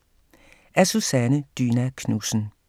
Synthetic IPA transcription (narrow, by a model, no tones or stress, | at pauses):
ʔæsusænəd̥yːnækʰnusn̩